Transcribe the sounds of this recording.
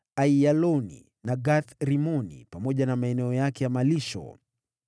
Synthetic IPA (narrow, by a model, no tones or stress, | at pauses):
aialɔnḭ | naɡaθɾimɔnḭpamɔʄanamaɛnɛɔjakɛjamaliʃɔ̰